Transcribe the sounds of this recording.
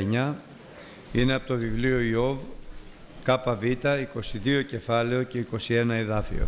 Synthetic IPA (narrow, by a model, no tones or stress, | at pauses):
eɲɐ | ine̞ɐpo̞t̪ovivlio̞io̞v | kɐpɐvit̪ɐiko̞siðio̞ce̞fɐle̞o̞ce̞iko̞sie̞nɐeðɐfḭo̞̰